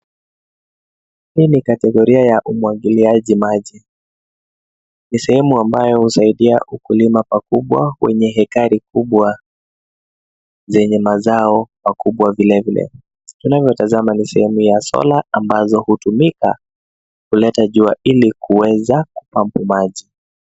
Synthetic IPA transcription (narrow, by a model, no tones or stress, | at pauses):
hiːnikatɛɠɔɾiajaʔumwaɡiliaʄimaʄi | nisɛhɛmuambajɔhusaiɗiaʔukulimapakuɓwa̰wɛ̰ɲɛɦɛkaɾikuɓwa | zɛɲɛmazaɔmakuɓwavilɛvilɛ̰ | tunavjɔtazamanisɛhɛmujasɔ̰laambazɔhutumika̰ | kulɛtaʄuaʔilikuwɛzaku̥pampumaʄi